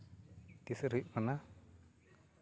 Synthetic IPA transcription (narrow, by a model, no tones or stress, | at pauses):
t̪isɾuʔmana